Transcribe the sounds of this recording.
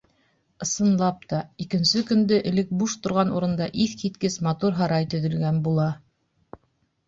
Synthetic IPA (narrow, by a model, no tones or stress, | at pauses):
ɤ̆sɤ̆nlˠɑp̚t̪ɑikɘ̆nsɵkɵ̆nd̪ɘʔɘ̆lɘk̚buʃt̪ŏɾʁɑnṵɾɤ̆nd̪ɑʔiθkit̪kɘsmɑt̪uɾɦɑɾɑjt̪ɵ̆ðɵ̆lɡænbulˠɑ